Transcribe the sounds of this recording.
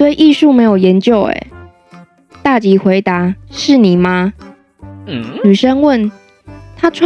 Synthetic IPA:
t̪we˥˧ɪʔi˥˧ʂu˥˨me˧˥ɪjo˨˩ʊjɛ˨˧˦nt͡ɕjo˥˨ʊḛ˨˩˦ | t̪a˥˩t͡ɕi˧˥xwe˧˥ɪt̪a˧˦ʂɻ̩˥˩ni˨˩ma˦˩ | y˨˩ʂə˦nwə˥˨n | t̪ʰa˥ʈ͡ʂʰ

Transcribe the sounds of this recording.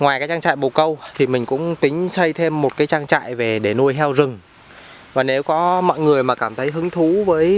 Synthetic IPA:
ŋaː˨˩jkaː˨˦jt͡ɕaː˧ŋt͡ɕa̰ː˧˨jɓo˨˩kə˧wt̪ʰi˨˩mï˨˩ŋ̟kʊ̰˧˥ŋ͡mt̪ï˨˦ŋ̟sə˧jt̪ʰe˧mːo˨˩t̚kaː˨˦jt͡ɕaː˧ŋt͡ɕa̰ː˧˨jve˨˩ɗe˧˩nu˧əjɦɛ˧wzɨ˨˩ŋ | vaː˨˩ne˨˦wkɔ˨˦mɔ̰˧˨jŋɨ˨˩əjmaː˨˩kaː˧˩mt̪ʰə˨˦jɦɨ˨˦ŋt̪ʰu˨˦vəː˨˦j

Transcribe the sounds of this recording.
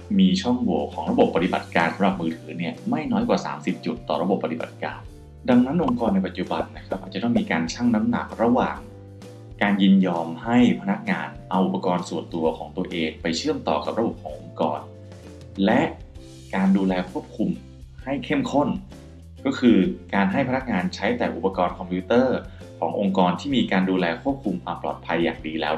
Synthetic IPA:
miː˧t͡ɕʰɔ˥˩ŋwu˨˩˦kʰɔː˩˦ŋɾa˧bo˨˩pːa˧t̪i˨˩ba̰˨˩t̪̚kaː˧nsa˨˦mɾa˨˩p̚mɯː˧t̪ʰɯː˩˦ni˥˩ɐəma˥˩jnɔː˦˥jkwaː˨˩sa̰ː˩˦msi˨˩p̚t͡ɕu˨˩t̪ːɔ̰ː˨˩ɾa˧bo˨˩pːa˧t̪i˨˩ba̰˨˩t̪̚ka̰ː˧n | da˧ŋna˦˥nʔo˧ŋkɔː˧nːa˧jpa˨˩t̪̚t͡ɕu˧˩ba˧nːa˦˥kʰa˦˥p̚a˨˩t͡ɕa˨˩t̪ɔː˥˩ŋmiː˧kaː˧nt͡ɕʰa˥˩ŋna˦˥mna̰˨˩k̚ɾa˧waː˨˩ŋ | kaː˧njɯ˧njɔː˧mha˥˩jpʰa˧na˦˥k̚ŋaː˧nʔa˧wʔu˨˩pːa˧kɔː˧nsu˨˩ənt̪u˧ɐkʰɔː˩˦ŋt̪u˧ɐʔeː˧ŋpa˧jt͡ɕʰɯ˥˩əmt̪ɔ̰ː˨˩ka̰˨˩p̚ɾa˧bo˨˩p̚kʰɔː˩˦ŋʔo˧ŋkɔ̰ː˧n | lɛ˦˥ʔ | kaː˧nduː˧lɛː˧kʰu˥˩əp̚kʰu˧m | ha˥˩jkʰe˥˩mkʰo˥˩n | kɔː˥˩kʰɯː˧kaː˧nɦa˥˩jpʰa˧na˦˥k̚ŋaː˧nt͡ɕʰa˦˥jt̪ɛː˨˩ʔṵ˨˩pːa˧kɔː˧nkʰɔ˧mpʰu˦˥t̪ɤː˥˩ | kʰɔː˩˦ŋʔo˧ŋkɔː˧nt̪ʰiː˥˩miː˧kaː˧nduː˧lɛː˧kʰu˥˩əp̚kʰu˧mʔa˧plɔ̰ː˨˩t̪̚pʰa˧jːa̰ː˨˩ŋdiː˧lɛː˦˥

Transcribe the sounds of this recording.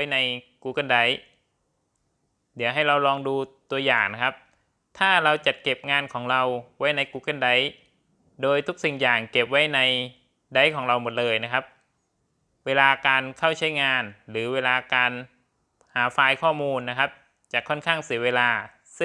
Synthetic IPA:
a˥jna˧jkuː˧˩ka˧˥˩nda˦˥j | dɯ˩˦əwɦa˥˩jɾa˧wɾɔː˧ŋduː˧t̪u˧ɐjaː˨˩ŋna˦˥kʰp̚ | t̪ʰaː˥˩ɾa˧wt͡ɕa˨˩t̪̚ke˨˩p̚ŋaː˧nkʰɔː˩˦ŋɾa˧wwa˦˥jna˧jkuː˧ka˧˥nda˦˥j | doː˧jt̪ʰu˦˥k̚si˨˩ŋjaː˨˩ŋke˨˩p̚wa˦˥jna˧j | da˦˥jkʰɔː˩˦ŋɾa˧wmo˨˩t̪̚lɤː˧jna˦˥kʰa˦˥p̚ | weː˧laː˧kaː˧nkʰa˥˩wt͡ɕʰa˦˥jŋaː˧nɾɯː˩˦weː˧laː˧kaː˧n | haː˩˦faː˧jkʰɔː˥˩muː˧nːa˦˥kʰa˦˥p̚ | t͡ɕa˨˩kʰːɔ˥˩nkʰaː˥˩ŋsi˩˦weː˧laː˧ | sɯ˥˩

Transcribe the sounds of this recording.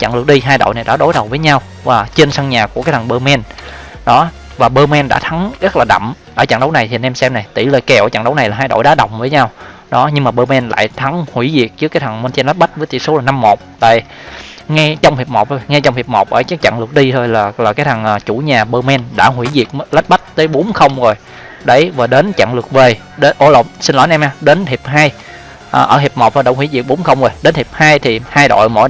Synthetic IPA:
t͡ɕa̰˧˨ŋlɨ˨˩ək̚ɗi˧ɦaː˧jɗo̰˧˨jna˨˩jɗa̰ː˧˥ɗo˨˦jɗə˨˩wvəː˨˦jɲa˧w | vaː˨˩t͡ɕe˧nsa˧nɲaː˨˩ku˧˩ka˨˦jt̪ʰːŋɓəː˧mɛ˧n | ɗɔ˨˦ | vaː˨˩ɓəː˧mɛ˧nɗa̰ː˧˥t̪ʰa˨˦ŋɣə˦˥t̚laː˨˩ɗa̰˧˨mʔəː˧˩t͡ɕa̰˧˨ŋɗə˨˦wna˨˩jt̪ʰi˨˩˨nɛ˧msɛ˧mna˨˩jt̪ḭ˧˩ləː˨˩jkɛ˨˩wʔt͡ɕa̰˧˨ŋɗə˨˦wna˨˩jlaː˨˩ɦaː˧jɗo̰˧˨jɗaː˨˦ɗə̰˨˩wŋ͡mvəː˨˦ɲa˧wɗɔ˨˦ɲɨ˧ŋmaː˨˩ɓəː˧mɛ˧nla̰ː˧˨jt̪ʰa˨˦ŋhwi˧˩˦zi˨˩ək̚t͡ɕɨ˦˥əkaː˨˦jt̪ʰa˨˩ŋmo˧nt̪i˧nl̚ɓa˦˥t̚vəː˨˦jt̪ḭ˧˨˩so˨˦laː˨˩na˧mːo˨˩t̚t̪a̰ː˧˨j | ŋɛ˧t͡ɕɔ˧wŋ͡mhi˨˩p̚mo˨˩t̪ʰo˧jŋɛ˧t͡ɕɔ˧wŋ͡mhi˨˩p̚mo˨˩k͡p̚ʔəː˧˩t͡ɕɨ˨˦t͡ɕa̰˧˨ŋlɨ˨˩ək̚ɗi˧t̪ʰo˧jlaː˨˩laː˨˩kaː˨˦jt̪ʰa˨˩ŋʔəː˨˩t͡ɕu˧˩ɲaː˨˩ɓəː˧mɛ˧nɗa̰ː˧˥ɦwi˧˩zi˨˩ək̚la˦˥t̚ɓa˦˥jk̚t̪əː˨˦jɓo˨˦nxə˧wŋ͡mzo˨˩j | ɗe˧˩vaː˨˩ɗe˨˦nt͡ɕa̰˧˨ŋlɨ˨˩ək̚ve˨˩ | ɗe˨˦ʔo˧˦lo̰˨˩sï˧nlɔ˨˦nʔɛ˧mʔaː˧ɗe˨˦nt̪ʰi˨˩p̚ɦaː˧j | ʔəː˨˩ʔəː˧˩ɦi˨˩p̚m̚˨˩t̪ʰːɗə˧˩wŋ͡mhwi˧˩˦zi˨˩ək̚ɓo˨˦ŋ͡mxə˧wŋ͡mzo˨˩jɗe˨˦nth̪i˨˩p̚haː˧jt̪ʰi˨˩haː˧jɗo̰˧˨jmo̰˧˩˨j

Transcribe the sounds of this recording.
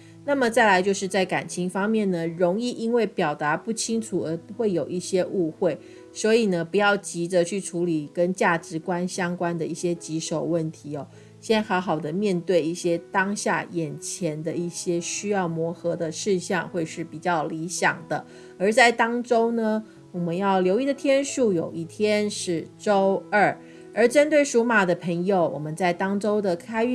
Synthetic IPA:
na˥˩mə˨t͡sa˥˩ɪla˧˥ɪt͡ɕjo˥˧ʊʂɻ̩˥˧t͡sa˥˩ɪka˨˩nt͡ɕʰi˧˥ŋfɑ˥ŋmjɛ˥˩nnə˩ɻo˧˥ŋi˥˩ʔi˥nwe˥˩ɪpjɑ˨˩ʊt̪a˧˥˦pu˥˩t͡ɕʰi˥ŋʈ͡ʂʰu˨˩ə˧˥xwe˥˩ɪjo˨˩ʊi˥˩ɕjɛ˥ʔu˥˧xwe˥˩ɪ | swɔ˧˥i˨˩nə˦pu˧˦jɑ˥˩ʊt͡ɕi˧˥də˧t͡ɕʰy˥˩ʈ͡ʂʰu˨˧˥li˨˩kə˦˥nt͡ɕja˥˩ʈ͡ʂɻ̩˧˥˦kwa˦nɕjɑ˥ŋkwa˥˦nd̪ə˨i˥˩ɕjɛ˥t͡ɕi˧˨˥ʂo˨˩ʊwə˥˩nt̪ʰi˨˥˦ɔ˦ | ɕɛ˥nxɑ˧˥ʊxɑ˨˩ʊd̪ə˦mjɛ˥˧nt̪we˥˧ɪi˥˩ɕjɛ˥t̪ɑ˥ŋɕja̰˥˧jɛ˨˩nt͡ɕʰjɛ˧˥nd̪ə˧i˥˩ɕjɛ˥ɕy˥jɑ˥˩ʊmwɔ˧˥xɤ˧˥d̪ə˧ʂɻ̩˥˧ɕjɑ̰˥˧ŋxwe˥˧ɪʂɻ̩˥˩pi˨˩t͡ɕjɑ˥˩ʊli˧˥ɕjɑ̰˨˩ŋd̪ə˦ | ə˞˧˥t͡sa˥˩ɪt̪ɑ˥ŋʈ͡ʂo˥ʊnə˨ | wɔ˨˩mə˧˦njɑ˥˩ʊljo˧˥ʊi˧˩d̪ə˨˩t̪ʰjɛ˥nʂu˥˩jo˨˩ʊi˥˩t̪ʰjɛ˥nʂɻ̩˥˩ʈ͡ʂo˥ʊə˥˩ | ə˞˧˥ʈ͡ʂə˥nt̪we˥˩ɪʂu˧˥ma˨˩d̪ə˦pʰə˧˥ŋjo˨˧ʊwʔɔ̰˨˩mə˦nt͡sa˥˩ɪt̪ɑ˥ŋʈ͡ʂo˥ʊd̪ə˨kʰa˥ɪy˥˧

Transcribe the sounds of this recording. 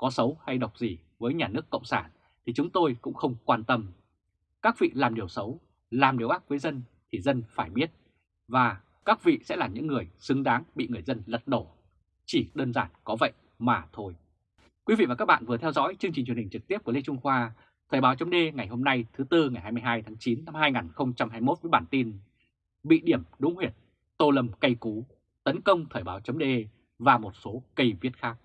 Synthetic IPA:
kɔ˨˦sə˨˦wha˧jɗa˨˩wk͡p̚zi˨˩vəː˨˦jɲaː˨˩nɨ˦˥əkːə̰˧˨wŋ͡msaː˧˩n | t̪ʰi˨˩t͡ɕʊ˨˦ŋ͡mt̪o˧jkʊ̰˧˥ŋ͡mxə˧wŋ͡mkwaː˧nt̪ə˧m | kaː˦˥k̚vḭ˧˨laː˨˩mɗi˨˩əwsə˨˦w | laː˨˩mɗi˨˩əʔaː˦˥p̚vəː˨˦jzə˧n | t̪ʰi˨˩zə˧nfaː˧˩jɓi˦˥ət̚ | vaː˨˩ | kaː˦˥k̚vḭ˧˨sɛ̰˧˥laː˨˩ɲɨ̰˧˥ŋːɨ˨˩əjsɨ˨˦ŋɗaː˨˦ŋɓḭ˧˨ŋɨ˨˩əjzə˧nlə˨˩t̚ɗo˧˩ | t͡ɕi˧˩ɗəː˧nzaː˧˩nkɔ˨˦və̰˧˨j | maː˨˩t̪ʰo˧j | kwi˨˦vḭ˧va˨˩kaː˦˥k̚ɓa̰ː˧˨nvɨ˨˩ət̪ʰɛ˧wzɔ̰˧˥jt͡ɕɨ˧ŋt͡ɕi˨˩ŋ̟t͡ɕwhï˨˩ŋ̟t͡ɕɨ˨˩k̚t̪i˦˥əp̚kle˧t͡ɕʊ˧ŋ͡mxwaː˧ | t̪ʰəː˨˩jɓaː˨˦wt͡ɕə˨˦ŋ͡mɗe˧ŋa˨˩jho˧mna˧jt̪ʰɨ˨˦t̪ɨ˧ŋa˨˩jhaː˧jmɨ˧jɦaː˧jt̪ʰaː˨˦ŋt͡ɕi˨˦nːa˧mhaː˧jŋaː˨˩nxə˧wŋ͡mt͡ɕa˧mhaː˧jmo˦˥t̚vəː˨˦jɓaː˧˩nt̪i˧n | ɓḭ˧˨ɗi˧˩əmɗʊ˨˦ŋ͡mhwi˨˧˩ət̚ | t̪o˧˩lə˧˩mkə˧jku˨˦ | t̪ə˨˦nkə˧wŋ͡mt̪ʰəː˨˩jɓaː˨˦wt͡ɕə˨˦ŋ͡mɗe˧ | vaː˨˩mo˨˩t̚so˨˦kə˧jvi˦˥ət̚xaː˦˥k̚

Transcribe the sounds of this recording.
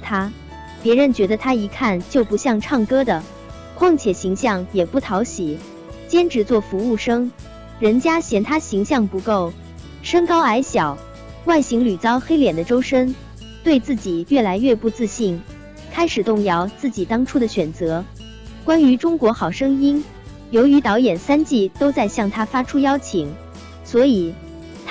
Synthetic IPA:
t̪ʰa˥ | pjɛ˧˥ɻə˧˥nt͡ɕɥɛ˧˥d̪ə˧t̪ʰa˥i˧˥kʰa˥˩nt͡ɕjo˥˩ʊpu˧˥ɕjɑ˥˧ŋʈ͡ʂʰɑ˥˩ŋkɤ˥d̪ə˨ | kʰwɑ˥˧ŋt͡ɕʰjɛ˨˩ɕi˧˥ŋɕjɑ˥˩ŋjɛ˨˩pu˥˩t̪ʰɑ˧˥ʊɕi˨˩˦ | t͡ɕjɛ˥nʈ͡ʂɻ̩˧˥t͡swɔ˥˩fu˧˥u˥˩ʂɤ˥ŋ | ɻə˧˥nt͡ɕja˥ɕjɛ˧˥nt̪ʰa˥ɕi˧˥ŋɕjɑ˥˩ŋpu˧˥ko˥˩ʊ | ʂə˥ŋkɑ˥ʊa˧˥ɪɕjɑ˨˩˦ʊ | wa˥˩ɪɕi˧˥ŋly˨˩t͡sɑ˥ʊxe˥ɪljɛ˨˩nd̪ə˦ʈ͡ʂo˥ʊʂə˥n | t̪we˥˧ɪt͡sɹ̩˥˩t͡ɕi˨˩ɥɛ˥˩la˧˥ɪɥɛ˥˧pu˥˧t͡sɹ̩˥˧ɕi˥˩ŋ | kʰa˥ɪʂɻ̩˨˩t̪ʊ˥˧ŋjɑ˥˧ʊt͡sɹ̩˥˩t͡ɕi˨˩t̪ɑ˥ŋʈ͡ʂʰu˥d̪ə˨ɕɥɛ˨˩nt͡sɤ˧˥ | kwa˥ny˧˥ʈ͡ʂʊ˥ŋkwɔ˧˥xɑ˨˩ʊʂɤ˥ŋi˥n | jo˧˥ʊy˧˥t̪ɑ˧˥ʊjɛ˨˩nsa˥nt͡ɕi˥˩t̪o˥ʊt͡sa˥˧ɪɕjɑ˥˩ŋt̪ʰa˥fa˥ʈ͡ʂʰu˥jɑ˥ʊt͡ɕʰi˨˩˦ŋ | swɔ˧˥i˨˩ | t̪ʰ

